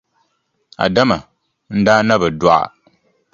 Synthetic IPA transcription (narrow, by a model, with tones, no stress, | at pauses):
a̰˨da˦ma˨ | n̩˦daː˦na˦bɨ˨dʊ˦ʔa̰˨